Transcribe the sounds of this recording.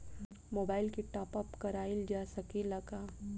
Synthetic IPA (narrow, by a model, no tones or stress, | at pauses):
moːbaːɪlkiʈaːpəpkɐɾaːild͡ʒaːsɐkelɐɡaː